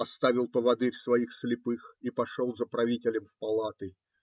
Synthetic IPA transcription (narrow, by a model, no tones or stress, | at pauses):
ɐst̪avʲɪlˠpəvɐd̪ɨɾʲsvɐixslʲɪpɨxipɐʂolˠzəpɾɐvʲitʲɪlʲəmfpɐlˠat̪ɨ